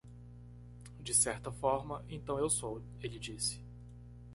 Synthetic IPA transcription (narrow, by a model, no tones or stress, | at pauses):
d͡ʒɪsɛɾt̪ɐfɔɾmɐʔẽnt̪ɐ̃w̃ewsow | elɪd͡ʒisɪ̥